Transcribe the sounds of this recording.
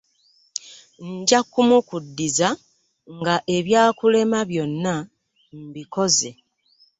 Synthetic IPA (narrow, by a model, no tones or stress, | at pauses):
ɲɟakːumukudːiza | ŋɡaʔe̞βjaːkule̞maβjo̞nːa | m̩biko̞ze̞